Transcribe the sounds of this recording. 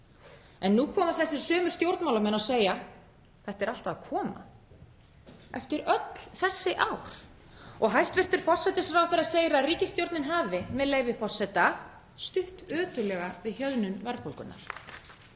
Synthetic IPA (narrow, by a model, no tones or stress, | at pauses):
ɛnːukʰɔːmaɾ̥θɛsːɪ̥sœːmʏ̥st̪jowɾt̪nmawlamɛnawseːja | θɛht̪ɛɾal̥t̪aðkʰɔːma̰ | ɛft̪ɪɾœt̪l̥θɛsːɪʔaːwɾ̥ | ɔɣɦajst̪vɪr̥t̪ʏɾ̥fɔr̥sɛt̪ɪsfɾawθɛɾaseːjɾariːcɪst̪jowɾt̪nɪnɦaːvɪmɛðleːjvɪfɔr̥sɛt̪a | st̪ʏht̪œːt̪ʏlɛɣavɪðçœðnʏmvɛɾfowlkʏnːa̰ɾ̥